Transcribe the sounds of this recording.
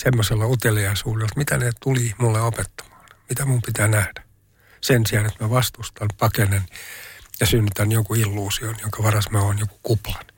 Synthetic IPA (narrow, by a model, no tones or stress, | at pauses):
semːoselːɑut̪eliɑisuːdelt̪mit̪ænet̪ulimulːeopet̪ːɑ̥mɑ̥ːnmit̪æmumpit̪æːnæhd̥æ̥ | sensiɑnet̪mæʋɑst̪ust̪ɑnpɑkenenjɑsynːyt̪ænjoŋkuilːuːsionjoŋkɑʋɑrɑsmæonjoku̥kuplɑn